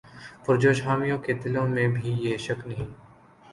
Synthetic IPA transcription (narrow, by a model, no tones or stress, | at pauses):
pʊɾd͡ʒoːʃɦaːmijõked̪ɪlõmẽbʱijeʃɐknɐɦĩː